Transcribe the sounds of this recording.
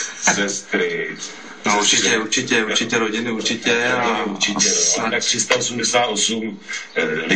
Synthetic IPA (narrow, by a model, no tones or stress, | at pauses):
zɛst̪ɾɪt̪ | nouɾt͡ʃicɛuɾt͡ʃicɛuɾt͡ʃɪcɛɾoɟɪnɪuɾt͡ʃɪcɛauɾt͡ʃɪcɛɾoat̪akt̪rɪst̪aosumdɛsaːt̪osum | lɪ